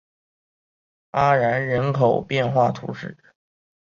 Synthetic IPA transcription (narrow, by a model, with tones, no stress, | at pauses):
a˥ɻa˧˥nɻə˧˥nkʰo˨˩ʊpjɛ˥˧nxwa˥˩t̪ʰṵ˧˥ʂɻ̩˥˩